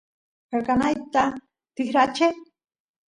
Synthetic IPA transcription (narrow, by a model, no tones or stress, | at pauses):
eɾkanajt̪a | t̪ɪxɾat͡ʃe